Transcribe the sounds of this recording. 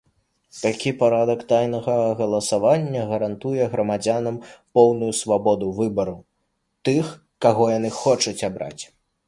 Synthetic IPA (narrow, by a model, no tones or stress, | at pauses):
t̪akʲipaɾad̪ɐkt̪ajnɐɣɐɣɐlˠɐsavanʲːɐɣɐɾant̪ujɛɣɾɐmad͡zʲanɐmpɔwnujusvabɔd̪uvɨbɐɾɐw | t̪ɨx | kaɣɔjanɨxɔt͡ʂɐt͡sʲabɾa̰t͡sʲ